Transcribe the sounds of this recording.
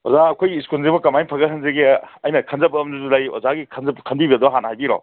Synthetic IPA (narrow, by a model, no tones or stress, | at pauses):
ɔ̰zaɐkʰojɡiːskulzebɐkɐmajpʰɐɡɐɦʰɐnzeɡeajnɐkʰɐnzɐbɐːmuzulajɔ̰zaɡikʰɐnzɐpkʰɐnbibɐd̪ɔɦanhajbiɾɔ̰